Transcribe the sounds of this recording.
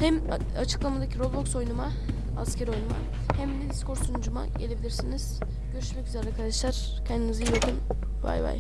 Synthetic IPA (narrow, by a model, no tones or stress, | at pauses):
hæm | at͡ʃʰɯ̥klˠamad̪acʰiɾo̞vb̪ˠokso̞jnuma | a̰scʰeɾio̞jnuma̰ | hæmd̪ɛd̪isko̞ɾsund͡ʒuma̰ɟe̞lʲe̞bilʲiɾsiniz̥ | ɟ̥ø̞ɾyʃmɛcyzeɾelʲɛkʰaɾd̪aʃlˠaɾ̥ | cʰɛnd̪inizijokun | va̰jva̰j